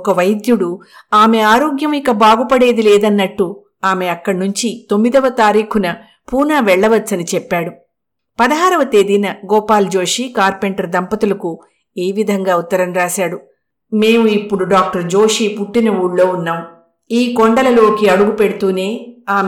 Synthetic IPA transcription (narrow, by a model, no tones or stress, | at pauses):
ɔkɐʋɐjd̪juɽu | aːme̞aːɾoːɡjɐmikɐbaːɡupɐɽe̞ːd̪ilɛːd̪ɐnːɐʈːu | aːme̞ɐkːɐɽnuɲt͡ʃit̪o̞mːid̪ɐʋɐt̪aːɾiːkʰunɐ | puːnaːʋɛɭːɐʋɐtːɐnit͡ʃɛpːaːɽu | pɐd̪ɐɦaːɾɐʋɐt̪e̞ːd̪inɐɡɔːpaːld͡ʒo̞ːʂiːkaːɾpeɳʈɐɾd̪ɐmpɐt̪ulɐku | eːʋid̪ʱɐŋɡaːut̪ːɐɾɐmɾaːʃaːɽu | me̞ːmuipːuɽuɖaːk̚ʈɐɾd͡ʒo̞ːʂipuʈːinɐuːɽlo̞ːunːaːm | iːkoɳɖɐlɐlo̞ːkiɐɽuɡupeɽut̪uːne̞ːaːm